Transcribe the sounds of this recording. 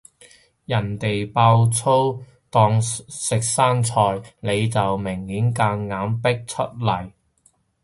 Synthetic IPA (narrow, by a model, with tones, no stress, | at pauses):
jɐ˨˩nt̪e˨jpaː˧wt͡sʰo˥w | t̪ɔː˧ŋsɪ˨k̚saː˥nt͡sʰɔː˧jne˨˧jt͡sɐ˨wmɪ˨˩ŋhiː˨˥nkaː˧ŋːaː˨˥mpɪ˥k̚t͡ʃʰɵ˥t̚lɐ˨˩j